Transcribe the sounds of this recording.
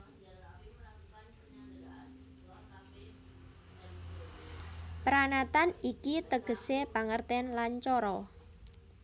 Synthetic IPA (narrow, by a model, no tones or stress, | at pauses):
pɾanat̪anikit̪əɡ̥ə̤sepaŋərt̪ɛnlant͡ʃɔɾɔ